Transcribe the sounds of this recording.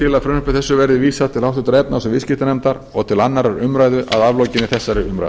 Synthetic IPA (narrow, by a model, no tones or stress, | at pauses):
ɪlaðfɾœːnʏhpʏθɛsːʏvɛɾðɪviːsat̪ʰɪlawt̪ʏt̪ɾɛp̚nasɛmvɪðscɪht̪ɪnɛmt̪aɾɔɣt̪ʰɪlanːaɾaɾʏmɾaːjðʏʔaðavlowcɪnɪθɛsːaɾɪɾʏmɾa̰jð